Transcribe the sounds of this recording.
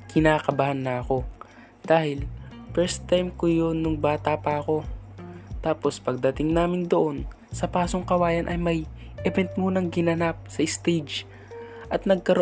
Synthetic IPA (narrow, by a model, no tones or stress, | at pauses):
kɪnaːkɐbahanːɐɐko̞ | d̪̥aːhɪlfɛɹst̪ːajmkojonːʊŋbaːt̪apɐʔɐko̞ | t̪aːpo̞spɐɡ̚d̪ɐt̪ɪŋnaːmɪnd̪oʔo̞n | sɐpaːsoŋkɐwaːjɐnʔɐjmɐj | ʔɛvɛnt̪̚muːnɐŋɡɪnɐnap̚sɐʔɪst̪ejd͡ʒ | ʔɐt̪̚nɐɡ̚kɐɾo